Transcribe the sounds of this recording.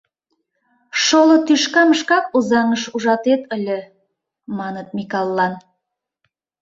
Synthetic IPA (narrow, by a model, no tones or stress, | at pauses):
ʃolot̪yʃkɑməʃkɑk̚uzɑŋəʃuʒɑt̪et̪əlʲə̆ | mɑnət̪̚mʲikɑlˠːɑn